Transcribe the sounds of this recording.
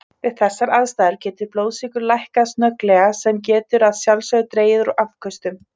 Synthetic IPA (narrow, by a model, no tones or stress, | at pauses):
vɪðθɛsːaɾaðst̪aːðɪɾcɛːt̪ɪɾploːwðsikʏɾlajhkast̪nœklɛɣasɛmcɛːt̪ʏɾaðsjawlsœɣʏt̪ɾeːjɪðɾɔʔafkʰœst̪ʏm